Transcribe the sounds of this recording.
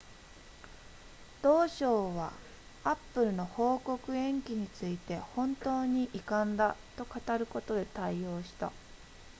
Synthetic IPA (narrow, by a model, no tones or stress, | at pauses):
d̪̥o̞ːɕo̞ːβa̰ | apːɯ̟ɾɯ̟no̞ho̞ːko̞kɯ̟ẽ̞ŋkʲiɲ̟it͡sɨit̪e̞hõ̞nt̪o̞ːɲ̟iʔikãnd̪at̪o̞kat̪aɾɯ̟ko̞t̪o̞d̪e̞t̪aio̞ːɕi̥t̪a̰